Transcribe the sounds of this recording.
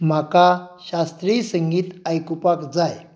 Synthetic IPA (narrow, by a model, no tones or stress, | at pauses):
m̤akaɕast̪ɾiːsəŋɡiːt̪ajkupakd͡zaj